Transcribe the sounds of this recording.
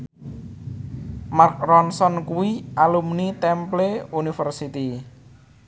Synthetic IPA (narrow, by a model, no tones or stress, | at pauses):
mark̚rɔnsɔnkuwiʔalumnit̪ɛmpleunifərsit̪i